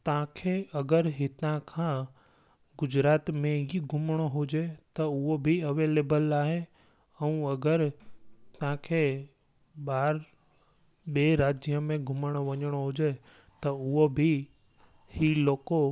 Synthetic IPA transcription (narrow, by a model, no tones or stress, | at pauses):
t̪ɐ̤ãkʰeɐɡəɾɦit̪ãkʰãː | ɡʊd͡ʑɾaːt̪mẽiɡʱʊməɽ̃oɦʊd͡ʑet̪ɐʊɦobʱiɐʋeːleːbəlaːɦe | ɛ̃ũːɐɡəɾt̪ɐãkʰeː | ɓaːɾ | ɓeːɾaːd͡ʒijəmẽɡʱʊməɽ̃oʋɐɲəɽ̃oɦʊd͡ʑe | t̪ɐʊɦobʱi | hiloːko